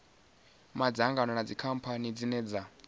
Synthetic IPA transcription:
mad͡zaŋɡanɔnad͡zikʰam̩pʰanid͡zinɛd͡za

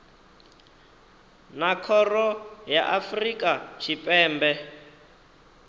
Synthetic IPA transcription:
nakʰɔrɔjaʔafrikʼat͡ʃʰipʼɛːmbɛ

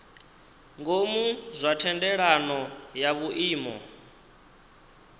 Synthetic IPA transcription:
ŋɡomuzʷatʰɛndɛɺanɔjaβuʔiːmɔ̰

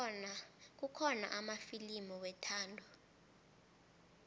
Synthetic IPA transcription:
k̬ukʰɔna̰ʔamafilimiwɛtʰaːndʱɔ

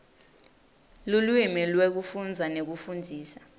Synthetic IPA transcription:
lulwimilwek̬ufund͡zʱanek̬ufundʱiːsa

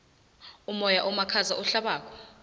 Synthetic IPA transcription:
umɔjaʔɔmakʰazaʔuɬaɓaːk̬ʰʼɔ̥

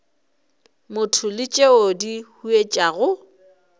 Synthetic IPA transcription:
mʊtʰʊlɪt͡ʃʼeodihuet͡ʃʼaɣʊ

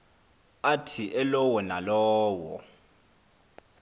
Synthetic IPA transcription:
atʰiʔɛlɔwɔnalɔːwɔ̰

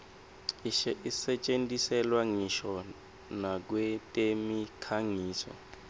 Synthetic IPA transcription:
isɛt͡ʃʼendisɛlwaŋiʃɔ | nak̬wetʼemikʰaŋiːsɔ̰

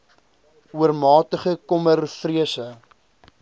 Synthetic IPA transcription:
uərmɑːtəχəkɔmərfriəsə

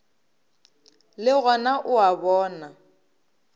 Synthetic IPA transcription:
lɪɣɔnaʔʊabɔːna

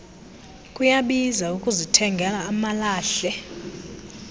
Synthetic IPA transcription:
kʼujaɓizaukʼuzitʰɛŋɡʱɛlaːmalaːɬɛ

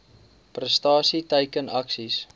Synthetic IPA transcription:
prəstɑːsitəjkənɐksis

